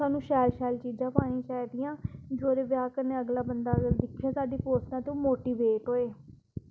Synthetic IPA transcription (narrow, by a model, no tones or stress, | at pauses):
aːnũːʃɛːlʃɛːlt͡ʃiːd͡ʒãːpaːɽ̃ĩːt͡ʃaːɪd̪ijãːd͡ʒoːɾeːʋjaːkənẽːəɡlaːbənd̪aːɡld̪ɪkʰãːsaːd̪iːpoːsnãːt̪õːmoːʈiːʋeːʈɦoːeː